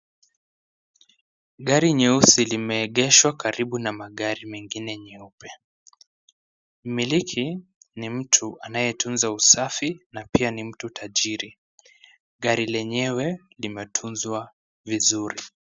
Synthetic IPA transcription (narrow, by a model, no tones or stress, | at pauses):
ɠaɾiɲɛusilimɛːɠɛʃwakaɾiɓunamaɠaɾimɛŋɡinɛɲɛupɛ | milikʰinim̩tʰuʔanajɛtunzausafinapianim̩tutʰaʄiɾi | ɠaɾilɛɲɛwɛ | limɛtʰunzwa | vizuɾi